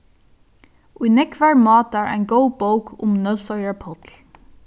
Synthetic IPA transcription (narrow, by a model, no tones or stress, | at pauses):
ʔujnɛkvaɹmɑːt̪aɹa̰ɪnɡowbowkʰʊ̰mnœlsɔjaɹpʰɔt̪l̩